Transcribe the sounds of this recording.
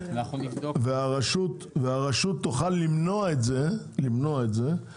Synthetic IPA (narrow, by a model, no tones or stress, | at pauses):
naunid̪oveaʁaʃut̪ | veaʁaʃut̪ːoχalːimnoaetze | limnoaet̪ze̞